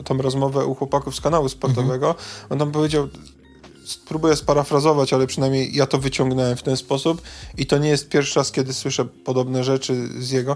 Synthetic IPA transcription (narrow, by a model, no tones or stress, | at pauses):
t̪ɔ̃mɾɔzmɔvɛʔuxwɔpakufskanawuspɔɾt̪ɔvɛɡɔɔnt̪ampɔvʲjed͡ʑaw | spɾubujɛspaɾafɾazɔvat͡ɕalɛpʂɘnajmɲejːat̪ɔvɘt͡ɕɔ̃ŋɡnɛwɛmft̪ɛnspɔsupit̪ɔɲɛjɛst̪̚pʲjɛɾfʂɾaskʲɛd̪ɘswɘʂɛpɔd̪ɔbnɛʐɛt͡ʂɘzjɛɡɔ